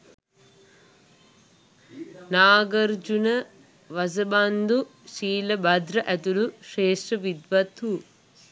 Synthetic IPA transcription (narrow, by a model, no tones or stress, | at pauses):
naːɡɐɾd͡ʒunɐ | ʋɐsɐband̪uʃiːlɐbɐd̪ɾɐʔɐt̪uluʂeːʂʈɐʋid̪ʋɐt̪u